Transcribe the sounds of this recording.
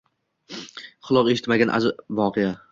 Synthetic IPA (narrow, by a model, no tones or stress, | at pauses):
χʊlˠɒqeʃɪ̥t̪maɡʲanʔa̰zvɒqʰeja